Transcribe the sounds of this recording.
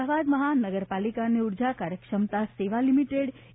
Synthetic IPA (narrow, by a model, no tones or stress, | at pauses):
aʋad̪məɦanəɡəɾpalikaneuɾd͡ʒakaɾjəkʂəmt̪aseʋalimiʈeɽ